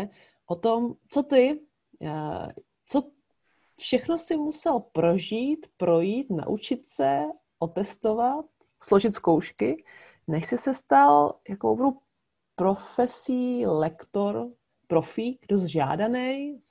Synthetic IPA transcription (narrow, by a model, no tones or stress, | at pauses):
ʔot̪omt͡so̞t̪ɪ | t͡so̞ | fʃɛxno̞sɪmusɛlpɾo̞ʒiːt̪pɾo̞jiːt̪na̰ʔut͡ʃɪt̪sɛ | ʔo̞t̪ɛst̪ovat̪̚ | slo̞ʒɪt̪skowʃkɪ | nɛʃsɪsɛst̪aljako̰wbɾow | pɾo̞fɛsiːlɛkt̪o̞ɾ | pɾo̞fiːk̚dosʒa̰ːdanɛj